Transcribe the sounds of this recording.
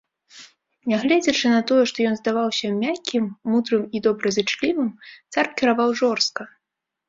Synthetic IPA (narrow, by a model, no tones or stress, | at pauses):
nʲaɣlʲɛd͡zʲɐt͡ʂɨnɐt̪ɔjɛʂt̪ɔjɔnzd̪avawsʲɐmʲakʲːimːud̪ɾɨmid̪ɔbɾɐzɨt͡ʂlʲivɨmt̪sarkʲɛɾavawʐɔrst̪̚kɐ